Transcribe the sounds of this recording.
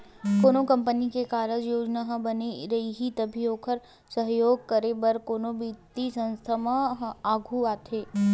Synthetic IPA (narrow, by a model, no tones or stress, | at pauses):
koːnokɐ̃mpənikekaːɾəd͡ʒjoːd͡ʒnaɦbɐneɾɐɦiɦit̪ɐbʱioːkʰəɾ | səɦjoːɡ̚kəɾebəɾkoːnobit̪isɐ̃nst̪ʰamãaːɡʱuaːt̪ʰeː